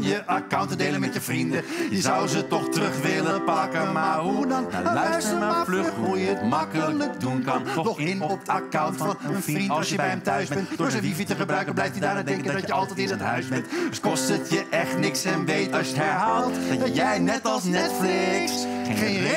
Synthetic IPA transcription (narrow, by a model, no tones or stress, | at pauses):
jəʔakawntədejlənmɛtjəvrindəzawzətɔχtrɵχʋɪləpɑkənmaɦudɑnlœsəmaflɵχujəətmɑkələlək̚dunkɑnɔtɔxɪnɔakawntffɔnənrinˠsjəbɛjɛmtœɥzbɛɛntdoɹəivitəχəbrœɥkənblɛjftədaːadɛŋkəddəəɑlˠtɛtɪnətɦœ̰ɥzbɛntskɔstətjəʔɛχtnɪksɛnʋejtɑsjəɦɛɹɦaːlˠtjɛjnɛtɑlˠsnɛtflɪksxe